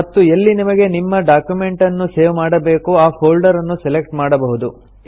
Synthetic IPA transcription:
mɐt̪ːuelːinimɐɡe̞nimːɐɖaːkjume̞ɳʈɐnːuseːʋmaːɽɐbe̞ːkuaːhoːlɖɐɾɐnːusɛlek̚ʈmaːɽɐbɐɦud̪u

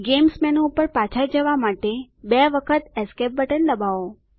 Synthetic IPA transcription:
ɡemsmɛnoupəɾpat͡ʃʰad͡ʒəʋamaʈe | beʋəkʰət̪ɛskep̚bəʈəlːəbao

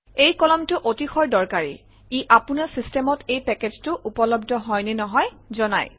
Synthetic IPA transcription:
ejkɔlɔmtʊʔotixɔɹdɔɹkaɹḭ | iʔapʊnasistemɔtejpɛkeztʊʔupɔlɔbdɔɦɔjnɛnɔɦɔjzɔna̰j

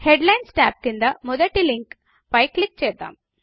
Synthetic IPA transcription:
heɖlɐjnsʈaːp̚kind̪ɐmuðɐʈːiliŋk | pɐjkːlik̚ːt͡ɕeːɾt̪ːa̰ːm

